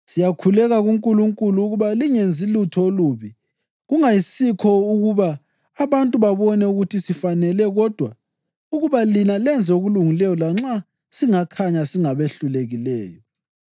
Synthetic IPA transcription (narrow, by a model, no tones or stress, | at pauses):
sijakʰulɛɣaɣuŋkʼuluŋkʼuluːɣuβaliŋend͡zʱilutʰɔluβi | ɣuŋajisikʰɔuɣuβaː | βantʼuβaβɔnɛuɣutʰisifanɛlɛɣɔd̥ʱwa | uɣuβalinalɛnd͡zʱɛoɣuluŋilɛjɔlaŋ͡ǁa | siŋakʰaɲasiŋaβeɬuleɣilɛːjɔ